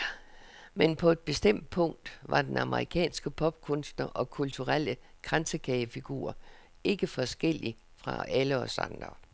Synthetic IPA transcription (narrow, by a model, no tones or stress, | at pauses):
menpʰɒ̽e̝d̥̚b̥e̝sd̥em̰d̥̚pʰɔ̽ŋ̰d̥ʋɑ̈d̥enɑ̈mʔəʁikʰɛ̰ːnsɡ̥əpʰɒ̽b̥̚kʰɔ̽nsd̥nɐʔɒ̽kʰult͡sʰuʁal̰ə | ɡ̥ʁansəkʰɛːfiɡ̥ṵːɐ̰ | e̝ɡ̥əfɒ̽sɡ̥el̰i | fʁɑ̈æləɒsɑ̰nd̥ʁɐ̰